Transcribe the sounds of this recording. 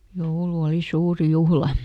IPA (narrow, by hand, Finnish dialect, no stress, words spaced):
joulu oli suːrĭ juhlɑ